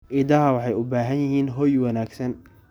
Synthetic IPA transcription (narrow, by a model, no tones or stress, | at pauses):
ʔɪd̪ɐɦɐwɑħɑjʊbaːɦɐnjɪɦiːnɦɔjwɑnaːɡsɐn